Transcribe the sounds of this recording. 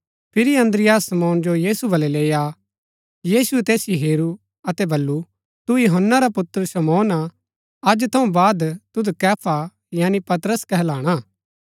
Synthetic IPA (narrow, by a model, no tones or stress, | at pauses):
pʰɪɾiɐ̃nd̪ɾɪjaːsːɐmɔːnd͡ʒojiːsubɐlɛleːja | jiːsuɛt̪eːsjiɦeːɾu | ɐt̪ɛbɐlːu | t̪ujoɦənːaɾapʊt̪əɾsɐmɔːna | ɐd͡ʒt̪ʰɐ̃ũbaːd̪t̪ʊd̪kɛːpʰa | jaːnipɐt̪ɾəskɛɦɛlaːɽ̃aː